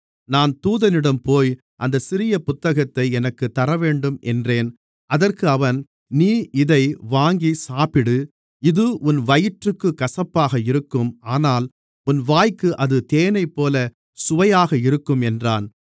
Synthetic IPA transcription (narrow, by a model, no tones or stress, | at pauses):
naːnt̪uːðɐnɪɽɐmpoːj | ʔɐnd̪ɐsɪɾɪjɐpʊt̪ːɐɣɐt̪ːɐɪɛnɐkːɯt̪ːɐɾɐʋeːɳɖɯmʔɛndreːn | ʔɐðɐrkɯɐʋɐn | niːɪðɐɪʋaːŋɡisaːpɪɽɯ | ɪðɯʔʊnʋɐjɪʈrɯkːɯkɐsɐpːaːɣɐɪɾɯkːɯmaːnaːl | ʊnʋaːjkɯʔɐðɯt̪eːnɐɪpːoːlɐ | sʊʋɐjaːɣɐɪɾɯkːɯmɛndraːn